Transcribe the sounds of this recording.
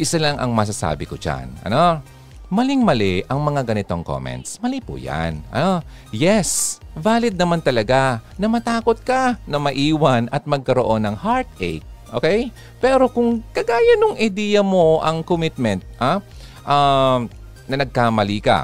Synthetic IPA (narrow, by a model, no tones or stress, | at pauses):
ʔɪsɐlaŋʔɐ̰ŋmɐs̬ɐsa̰ːbɪkod͡ʒa̰nʔɐ̰no̞ | mɐlɪŋmɐlɛʔɐŋmɐŋaɡɐnɪt̪o̞ŋko̰mɛ̰nt̪smɐlipʊ̰ja̰nʔɐ̰no | jɛsbaːlɪd̪̚nɐmant̪ɐlɐɡanɐmɐt̪aːko̞t̪̚kɐnɐmɐʔiːwɐnɐt̪̚mɐɡ̚kɐɾo̞ʔo̞nɐŋhaɹt̪̚ʔɛ̰jk̚ʔoːkɛj | pɛːɾo̞kʊŋkɐɡaːjɐnʊŋʔɐjd̪ɛjɐmo̞ʔɐŋkomɪt̪̚mɛnt̪̚ʔa | ʔa | nɐnɐɡ̚kamɐlikɐ̰